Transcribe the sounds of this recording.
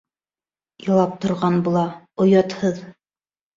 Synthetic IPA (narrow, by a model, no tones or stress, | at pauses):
jɑlˠɑp̚t̪ŏɾʁɑnbulˠɑ | ŏjɑt̪hɤð